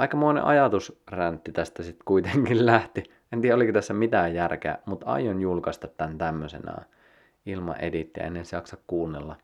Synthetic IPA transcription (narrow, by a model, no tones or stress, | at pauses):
ɑikɑmoinḛʔɑjɑt̪usrænt̪ːit̪æst̪æsit̪kuit̪eŋkillæht̪i | ent̪iːæolikot̪æsːæmit̪æːjjærkḛmut̪ɑ̰ijonjulkɑst̪ɑt̪t̪ːænt̪æmːøsḛnɑ̰ː | ilmɑ̰ʔḛdit̪ːiɑ̰ḛnːensjɑksɑkkuːnːelːɑ